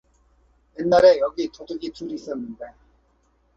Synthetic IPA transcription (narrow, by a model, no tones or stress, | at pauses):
jenːaɾe̞jʌɡitodɯɡituɾiːs͈ʌnːɯnde̞